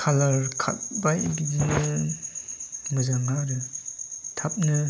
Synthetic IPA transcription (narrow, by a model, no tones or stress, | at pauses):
kʰalaɾkʰa̰t̚bajɡidinɯ | mɯzaŋaɾɯ | tʰap̚nɯ